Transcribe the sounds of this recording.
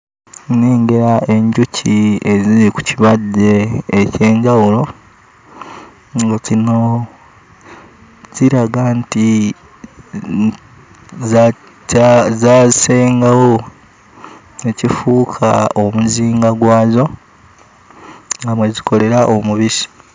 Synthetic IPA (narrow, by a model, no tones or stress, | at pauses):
neːŋɡe̞ɾae̞ɲɟucʰieziɾiku̥ciβadːe̞ːce̞ːɲɟawulo̞ | ŋɡazino̞ | z̥iɾaɡanti | zaːzise̞ːŋɡawo | e̞cifuːkʰaomuziːŋɡaɡwaːzo̞ | ŋɡamweziko̞le̞ɾaʔomuβisi̥